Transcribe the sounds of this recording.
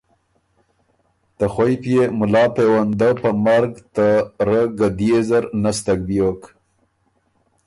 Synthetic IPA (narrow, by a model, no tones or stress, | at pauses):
t̪əxwajpjemʊlɑːpewand̪əpəmaɾɡt̪əɾəɡad̪jezaɾnast̪aɡ̚bijok